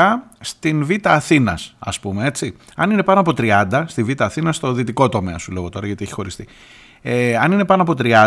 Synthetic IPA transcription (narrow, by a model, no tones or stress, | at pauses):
ɐst̪invit̪ɐːθinɐ̰sɐ̰spumee̞tt͡si | ɐnine̞pɐno̞ɐpo̞t̪ɾiɐnd̪ɐst̪ivit̪ɐːθinɐst̪o̞ðit̪iko̞t̪o̞me̞ɐsule̞ɣo̞t̪o̞ɾɐʝɐt̪ieçi̥xo̞ɾist̪i | eɐnine̞pɐnoɐpo̞t̪ɾiɐ